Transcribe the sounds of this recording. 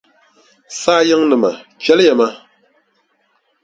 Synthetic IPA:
saː˦jɨ˦ŋnɨ˨ma˨t͡ʃɛ˨˦ljɛ˨ma˦

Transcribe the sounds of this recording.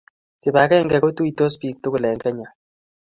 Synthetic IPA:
tɪ˨ba˨kɛ˦ŋɡɛ˨ko˦tu˦i˨to˦spi˦k̚tʊ˦kʊ˨lɛ˨ŋkɛ˦ɲa˨

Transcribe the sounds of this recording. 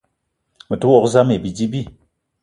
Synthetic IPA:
mə˨tu˦wɔ˦˨kza˦me˨bi˨d͡ʒi˦bi˦˨

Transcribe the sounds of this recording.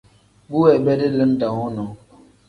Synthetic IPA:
bu˦wɛ˨bɛ˦də˦lə˦n˦ta˨ŋɔ˦nɔ˨˦

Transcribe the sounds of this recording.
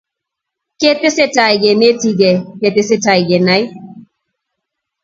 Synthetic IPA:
ke˦tɪ˦se˦ta˨i˨ɡe˨ne˦ti˦ɡɛ˨ke˨tɪ˦se˦ta˨i˨ɡɛ˨na˦j

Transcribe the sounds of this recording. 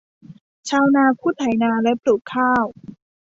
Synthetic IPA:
t͡ɕʰaː˧wnaː˧kʰuː˥˩t̪ʰa˨˩˦jnaː˧lɛ˦˥plu˨˩k̚kʰaː˥˩w

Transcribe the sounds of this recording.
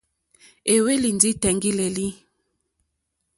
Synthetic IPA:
e˨we˦li˨ndi˦tɛ˨ŋɡi˦le˨li˦

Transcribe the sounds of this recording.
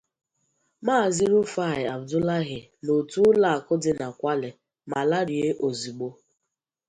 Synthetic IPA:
maː˦˨zi˦ɾo˦fa˦˨ɪ˨a˨bdʊ˦la˦ɣɪ˨ | no˨tu˦la˨a˨kʊ˦dɪ˨na˨kʷa˦lɪ˨ | ma˨la˦ɾje˦ʔo˨zi˨ɡ͡bo˦

